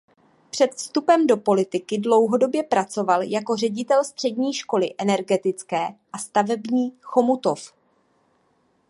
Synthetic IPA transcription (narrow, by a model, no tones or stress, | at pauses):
pr̝̥ɛt̪fst̪upɛmdo̞po̞lɪt̪ɪkɪdlo̞wɦo̞do̞bjɛpɾat͡so̞valjako̞r̝ɛɟɪt̪ɛlst̪r̝̥ɛdɲiːʃko̞lɪʔɛnɛɾɡɛt̪ɪt͡skɛːʔast̪avɛbɲiːxo̞mut̪of